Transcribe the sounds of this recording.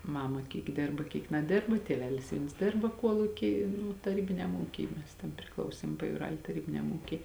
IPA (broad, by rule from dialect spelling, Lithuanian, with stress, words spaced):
ˈmɑːmɐ ˈkʲiːk ˈdʲeːrbɐ ˈkʲiːk nɐˈdʲeːrbɐ tʲiɛˈʋʲæːlʲɪs ˈʋʲiɛns ˈdʲeːrbɐ ˈkuɔlˠʊkʲiː ˈnʊ tɐˈrʲiːbʲɪnʲɛm ˈuːkʲiː ˈmʲɛs tʲɛn pʲrʲɪˈklˠɐʊsʲeːm pɐjuːˈrɐlʲ tɐˈrʲiːbʲɪnʲɛm ˈuːkʲiː